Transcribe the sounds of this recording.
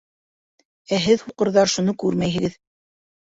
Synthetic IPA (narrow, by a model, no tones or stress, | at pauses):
æɦɘðhuqɤ̆ɾðɑɾʃunɤkʉɾmæjɦɘ̆ɡɘð